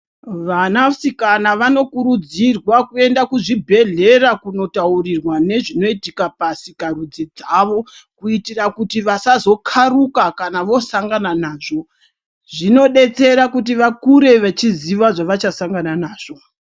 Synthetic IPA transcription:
ʋanasikanaʋano̞kuɾud͡zirwakue̞ndakuʐibʱe̞ɮe̞rakuno̞taurirwane̞ʐino̞itikapasikarud͡zid͡zaʋo̞kuitirakutiʋasazo̞kʰarukakanaʋo̞saŋɡananaːʐo̞ | ʐino̞ɗe̞t͡se̞ɾakut̬iʋakuɾe̞ʋet͡ʃiziʋaʐaʋat͡ʃasaŋɡananaːʐ̥o̞

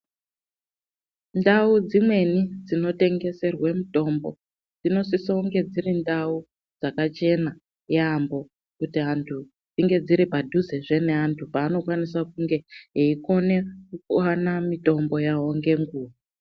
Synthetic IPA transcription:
ndaud͡zimwe̞nid͡zino̞te̞ŋɡe̞se̞rwemuto̞mbo̞̰ | d͡zino̞sisouŋɡe̞d͡zirindau | d͡zakat͡ʃe̞na | jambo̞ | kutiantʰu | d͡ziŋɡe̞d͡ziɾipadʱuzeʐe̞ne̞antʰupaːno̞kwanisakuŋɡe̞iko̞ne̞kukanamito̞mbo̞jawo̞ŋɡe̞ŋɡuːʋa

